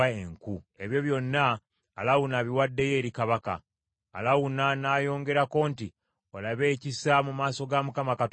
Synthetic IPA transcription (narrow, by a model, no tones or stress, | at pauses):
eŋkue̞βjo̞βjo̞nːaː | lawunaːβiwadːe̞je̞ːɾikaβaka̰ː | lawunanaːjo̞ːŋɡe̞ɾako̞ːnti | olaβe̞ːcisamumaːso̞ɡamukamakat